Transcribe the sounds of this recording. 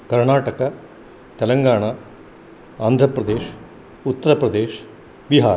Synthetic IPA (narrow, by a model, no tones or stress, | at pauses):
kɐɾɳaːʈɐkɐ | t̪ɛlɐŋɡaːɳa | aːnd̪ʱɾɐpɾɐd̪eːʃ | ut̪ːɐɾɐpɾɐd̪eːʃ | ʋiɦaːɾ